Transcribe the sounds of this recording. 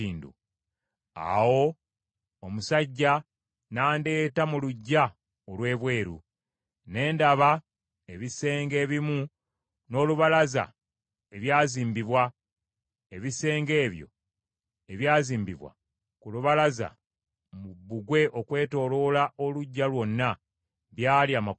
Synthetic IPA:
iːndṵ | a̰wo̞ | omusaɟːa | naːnde̞ːtamuluɟːa | olwe̞ːβwe̞ːɾṵ | ne̞ːndaβa | eβise̞ːŋɡe̞ːβimu | no̞ːluβalaza̰ | eβjaːziːmbiβwa | eβise̞ːŋɡe̞ːβjo̞̰ | e̞βjaːziːmbḭβwa̰ | kuluβalaza̰ | mubːuɡwe̞ʔo̞kwe̞ːto̞lo̞lao̞luɟːalwo̞nːa | βjaːliaːma

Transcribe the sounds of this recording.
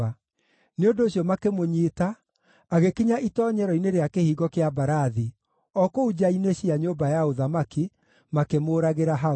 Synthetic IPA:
a | neondoːɕjɔmakemoɲetaː | ɣekiɲaʔitɔɲɛɾɔineɾeakehiːɣɔkeabaɾaði | ɔkoud͡ʑaineɕiaɲoːbajaoðamaki | makemoːɾaɣeɾaɦa

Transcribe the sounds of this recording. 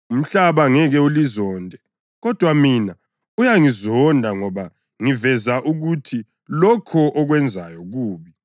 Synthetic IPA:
um̩ɬaβaŋɛɣɛulizɔːndʱɛ | ɣɔd̥ʱwamina | ujaŋizɔndʱaŋɔβa | ŋivɛzaʔuɣutʰi | lɔkʰɔʔɔɣwɛnd͡zʱajɔɣuːβi

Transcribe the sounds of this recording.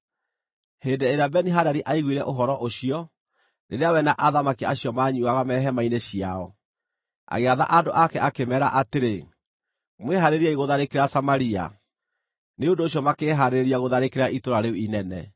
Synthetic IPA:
heːndeeɾeabɛniɦadaɾiʔaiɣwiɾɛʔoɦɔɾɔʔoɕiɔ | neɾeawɛnaʔaðamakiaɕjɔmaɲuaɣamɛːɦɛmaineɕiaɔ | a̰ɣeaða̰ʔadoʔakɛʔakemɛːɾa̰ʔateɾe | mweɦaɾeɾiaiɣoðaɾekeɾasamaɾia̰ | neondoːɕ̬jɔmakeːɦaɾeɾiaɣoðaɾekeɾaʔitoɾaɾeuinɛnɛ

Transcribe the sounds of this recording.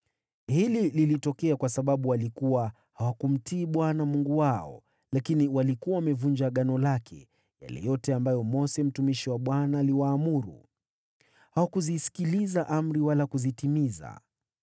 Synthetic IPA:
hilililitɔkɛakwasaɓaɓuwalikuwa | hawakum̩tiːɓwanamuŋɡuwaɔ̰ | lakiniwalikuwawamɛvund͡ʒaɠanɔlakʰɛ̰ | ja̰lɛ̰jɔtɛambajɔmɔsɛm̩tumiʃiwaɓwanaːliwaːmuɾṵ | hawakuzisi̥kilizaʔam̩ɾiwalakuzitimiza̰

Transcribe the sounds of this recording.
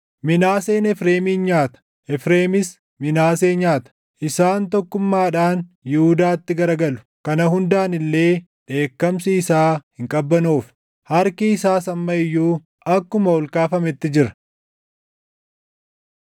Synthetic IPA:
mɪnaːseːnɛfɾe̞ːmiːnɲaːt̪ɐ̥ | ʔɛfɾe̞ːmɪs | mɪnaːseːɲaːt̪ɐ̥ | ʔɪsaːnt̪ɔkːʊmːaːᶑaːnjɪhʊd̪aːt̪ːɪɡɐɾɐɡɐlʊ̥ | kɐnɐɦʊnd̪aːnɪlːe̞ː | ᶑe̞ːkːɐmsiːsaːhɪŋkʼɐbːɐnuːf | hɐɾkiːsaːsɐmːɐɪjːuː | ɐkːʊmɐɔlkaːfɐmɛt̪ːɪd͡ʒɪɾɐ̥

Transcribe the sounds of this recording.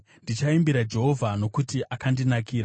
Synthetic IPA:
ndit͡ʃaimbiɾad͡ʒe̞ɦo̞vʱano̞kutiʔakandinakiːɾa

